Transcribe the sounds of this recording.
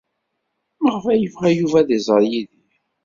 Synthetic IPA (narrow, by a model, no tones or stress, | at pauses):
əʁvæjəvʁæjuvæðizˤəɾˤjiði